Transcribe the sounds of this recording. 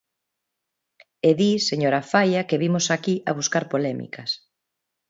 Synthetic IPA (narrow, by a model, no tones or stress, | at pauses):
eðiseɲoɾafajɐkeβimʊsakiʔɐβuskaɾpolɛmḭkɐs